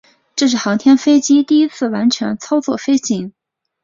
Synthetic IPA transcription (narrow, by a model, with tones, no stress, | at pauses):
ʈ͡ʂɤ˥˧ʂ̬ɻ̩˥˩xɑ˧˥ŋt̪ʰjɛ˥nfe˥ɪt͡ɕi˥t̪i˥˩i˥t͡sʰɹ̩˥˩wa˧˥nʈ͡ʂʰɛ̰˧˥ŋt͡sʰɑ˥ʊt͡swɔ̰˥˩fe˥ɪt͡ɕi˧˥ŋ